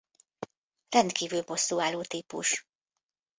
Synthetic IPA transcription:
rɛnt̪kiːvylbo̞sːuːaːlːoːt̪iːpṵʃ

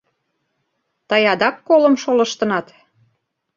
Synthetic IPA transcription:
t̪ɑjɑd̪ɑkːolə̆mʃolɤ̆ʃt̪ɤ̆nɑt̪

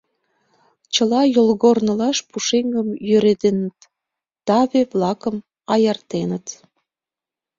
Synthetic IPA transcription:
t͡ɕəlɑjolɣornə̆lɑʃpuʃeŋɡəmjøɾet̪enət̪ː | ɑβeβlɑkəm | ɑjərt̪enət̪

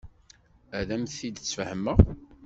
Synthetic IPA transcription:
æðæmθid̪t͡sːfəhəmːəʁ

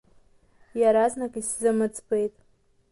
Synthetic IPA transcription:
jaɾaznakʼiszɨmɨt͡sʼbejtʼ

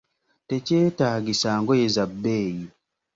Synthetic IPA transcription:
teceːtaːɡisaːŋɡojezabːeːji

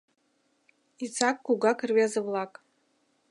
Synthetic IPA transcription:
it͡sʰʼakʼɡuɡakʰɨrɥiazɨvlakʼ

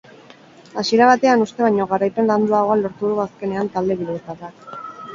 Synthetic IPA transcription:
asieɾaβ̞at̪e̞anust̪e̞βaɲo̞ɣaɾajpe̞nland̪uaɣo̞alo̞ɾt̪uðuaske̞ne̞ant̪ald̪e̞βileet̪arak

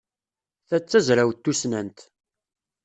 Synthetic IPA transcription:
θæt͡sːæzɾæwt̪ːusnænt̪

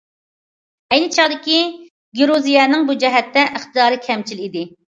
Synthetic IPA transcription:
ɛjnɪt͡ʃʰɑʁd̪ɪkʲi | ɡʲiɾuzijɛnɨŋbud͡ʒɛɦɛt̪ːɛʔəχt̪ɨd̪ɑːɾɨkʲʰɛmt͡ʃʰilid̪ɪ

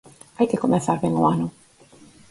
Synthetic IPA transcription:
ajkɪkomẽθaɾβeŋʊanʊ

